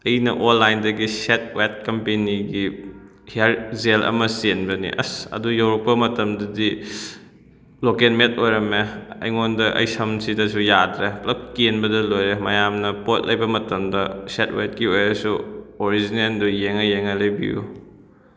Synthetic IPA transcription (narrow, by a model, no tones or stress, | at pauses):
ɐjnɐʔonlːajndɐɡiset̚wet̚kɐmpeniɡi | haɾzelʔɐ̰mɐsenbɐnḭʔɐ̰sɐ̰dujɐwɾɐk̚pːɐmɐtɐmdɐdi | lokenmet̚ojɾɐmeɐ̰jŋondɐʔɐ̰jsɐmsʰidɐsujadɾeplɐk̚kenbɐdɐlojɾemɐjamnɐpot̚lɐjbɐmɐtɐmdɐset̚wet̚kiojɾɐsuoɾizinendujeŋɐjeŋɐlɐjbḭṵ